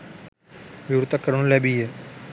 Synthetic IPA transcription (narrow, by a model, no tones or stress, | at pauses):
ʋɪɾt̪akəɾəɽ̃lɛːbiːɦɛː